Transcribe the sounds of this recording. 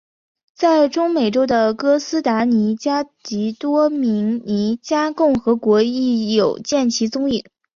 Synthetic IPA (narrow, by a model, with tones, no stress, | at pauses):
t͡sa˥˩ɪʈ͡ʂʊ˥ŋme˨˩ɪʈ͡ʂo˥ʊd̪ə˨kɤ˥sɹ̩˥t̪a˧˥ni˧˥t͡ɕja˥t͡ɕi˧˥t̪wɔ˥mi˧˥ŋni˧˥t͡ɕja˥kʊ˥˩ŋxɤ˧˥kwɔ˧˥i˥˩jo˨˩ʊt͡ɕjɛ˥˩nt͡ɕʰi˧˥t͡sʊ˥ŋi˥˩˦ŋ